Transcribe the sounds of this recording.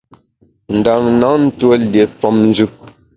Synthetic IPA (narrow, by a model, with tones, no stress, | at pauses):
n̩˨da˨ŋna˨˦n̩˦two˦lje˨fɔ˦mn̩˦d͡ʒʉ˦